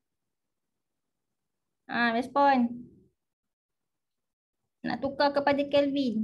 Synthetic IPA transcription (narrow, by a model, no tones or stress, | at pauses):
ʔamɛspɔn | na̰t̪ukakəpadakɛlvin